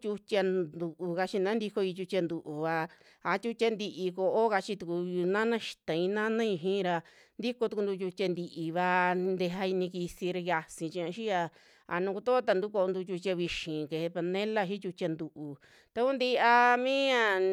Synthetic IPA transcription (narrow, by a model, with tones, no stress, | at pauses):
t͡ʃʲu˧tʲa˧d̪u˨˧ʔu˧ka˧t͡ʃi˧nã˦nd̪i˧ko˧i˧t͡ʃu˧t͡ʃʲa˧nd̪u˧ʔu˨βa˧ | a˧t͡ʃʲu˧t͡ʃʲa˧nd̪i˧ʔi˧ko˧ʔo˦ka˧t͡ʃi˧t̪u˧ku˧nã˦nã˦ʃi̥˧t̪ã˨ĩ˧nã˦nã˦ĩ˧ɦĩː˦˧ɾa˧ | nd̪i˦ko˧t̪u˧ku˧nd̪u˧t͡ʃʲu˧tʲa˧nd̪i˧ʔi˧βa˧nd̪e˧ɦa˧i˧nĩ˧ki˧si˧ɾa˧ja˧sĩ˧t͡ʃĩ˧ã˧ʃi˦ja˧ | a̰˧nũ˧ku˧t̪o˦o˦t̪a˧nd̪u˦ko˧o˧nd̪u˧t͡ʃʲu˧t͡ʃʲa˧βi˧ʃĩ˨ke˧he˧pa˧nẽ˦la˦ʃi˦t͡ʃʲu˧t͡ʃʲa˧nd̪u˧ʔu˨ | t̪a˧ku˦nd̪i˦a˧mĩ˦ã˦˧